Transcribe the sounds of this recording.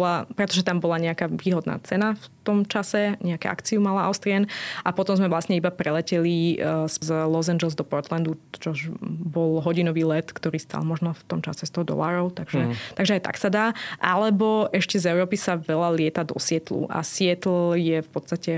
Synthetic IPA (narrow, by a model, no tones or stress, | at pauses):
ɔlapɾɛt̪ɔʒɛt̪ambɔlaɲɛakaːʋiːɦɔd̪na̰ːt͡sɛnaft̪ɔmt͡ʃasɛɲɛakɛ̰a̰kt͡siumalaa̰ʊst̪ɾɪɛnʔapɔt̪ɔmzmɛvʋlasɲɛibapɾɛlɛcɛlizzlɔzand͡ʒɛlzd̪ɔpɔɾt̪land̪ut͡ʃɔʒbɔlɦɔɟinɔʋiːlɛt̪kt̪ɔɾiːst̪a̰lmɔʒnɔft̪ɔmt͡ʃa̰sɛst̪ɔɦɔd̪ɔ̰laːɾɔʊt̪aɡʒɛt̪aɡʒɛajt̪a̰ksad̪aːʔalɛbɔʔɛʃcɛzɛʊɾɔːpisaʋɛlalɪɛt̪ad̪ɔ̰sɪɛt̪lṵʔa̰sɪɛt̪l̩jɛfpɔt̪st̪acɛ